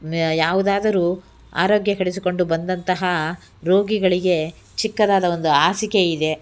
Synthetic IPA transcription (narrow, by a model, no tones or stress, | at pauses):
jaːʋud̪aːd̪ɐɾuː | a̰ːɾoːɡjɐɦɐɽis̬iko̞ɳɖubɐnd̪ɐnt̪ɐɦɐ | ɾo̞ːɡiɡɐɭiɡe̞ | t͡ʃikːɐd̪aːd̪ɐo̞nd̪uaːsikeid̪e̞